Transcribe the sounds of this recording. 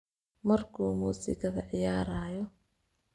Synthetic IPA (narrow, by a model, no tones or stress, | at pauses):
mɐrkʰuːmuːsɪ̰kʰɐɣɐʕɪjaːɾaːjɔ